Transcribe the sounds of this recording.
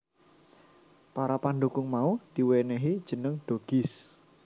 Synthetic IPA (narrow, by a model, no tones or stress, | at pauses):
paɾapanɖukʊŋmaud̪̥iweneɦid̥d͡ʒ̥ə̤nəŋɖ̥oɡ̥ɪs